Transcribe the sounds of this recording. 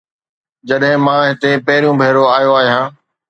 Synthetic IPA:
d͡ʑɐɗɦɪ̃mãːɦɪt̪epɐɦɪɾijũbʱeːɾoaːjoaːɦijãː

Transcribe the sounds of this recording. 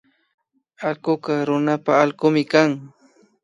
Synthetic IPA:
alɢʊkaɾʊnapaːlɢʊmɪkaŋ

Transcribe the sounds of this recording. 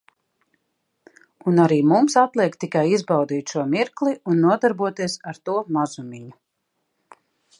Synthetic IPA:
unaɾiːmumsat̪lˠiɛkt̪ikajizbawd̪iːt̪ʃuɔmiɾklˠiunːuɔd̪aɾbuɔt̪iɛsaɾt̪uɔmazumʲiɲu

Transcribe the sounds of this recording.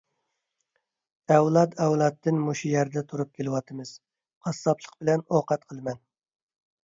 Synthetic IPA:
ɛwlˠɑt̪ɛwlˠɑt̪ʰːɨnmoʃujæɾd̪ɛt̪ʰuɾup̚kʲʰelɨwɑt̪ʰɨmɨz̥ | qʰɑsːɑpʰlˠəq̚bɪlɛnoqɑt̪̚qʰəlˠɨmɛn

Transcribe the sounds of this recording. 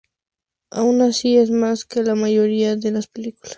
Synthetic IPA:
a̰unasiesmaskelamajoɾiaðelaspeliku̥las

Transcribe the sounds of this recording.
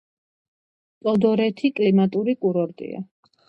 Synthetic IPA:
t̪ʼɔd̪ɔɾɛt̪ʰikʼlimat̪ʼuɾikʼuɾɔɾt̪ʼḭa̰

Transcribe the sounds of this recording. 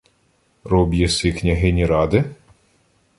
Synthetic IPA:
ɾɔbʲjɛsɪknʲɐɦɪnʲiɾɑd̪ɪ

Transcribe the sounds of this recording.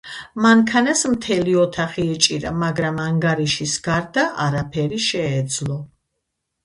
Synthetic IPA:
maŋkʰanasmt̪ʰɛliɔt̪ʰaχiɛt͡ʃʼiɾa̰maɡɾamaŋɡaɾiʃisɡ̥aɾd̪aʔaɾapʰɛɾiʃɛːd̪zlˠɔ

